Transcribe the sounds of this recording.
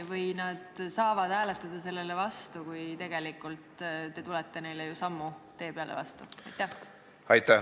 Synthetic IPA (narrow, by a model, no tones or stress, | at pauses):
vɤjnɑd̪̥sɑːvɑd̪̥hæːlet̪ˑːɑd̪̥ɑse̞lːe̞levɑst̪ukujt̪e̞ɡ̥e̞likˑːult̪t̪e̞t̪ulɛt̪ːe̞ne̞jlejusɑmːut̪e̞ːpeɑlḛvɑ̰st̪uɑjt̪ːˑæh | ɑjt̪ːæ